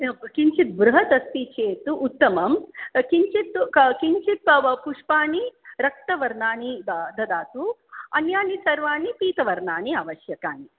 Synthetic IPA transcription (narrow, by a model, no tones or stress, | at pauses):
kiɲt͡ʃit̪̚bɾuɦɐt̪ɐst̪it͡ʃeːt̪uʔːt̪ːɐmɐmkiɲt͡ʃit̪kiɲt͡ʃit̪̚puʂpaːniɾɐk̚t̪ɐʋɐɾnaːnid̪ʱɐd̪aːt̪uɐnjaːnisɐɾʋaːnipiːt̪ɐʋɐɾnaːniaʋɐʃjɐkaːni